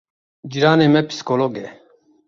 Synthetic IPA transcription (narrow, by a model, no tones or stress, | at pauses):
d͡ʑiɾaːnemepi̥si̥koːloɡe